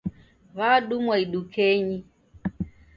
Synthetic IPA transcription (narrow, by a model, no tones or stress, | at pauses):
βaɗumwaiɗukʰɛɲi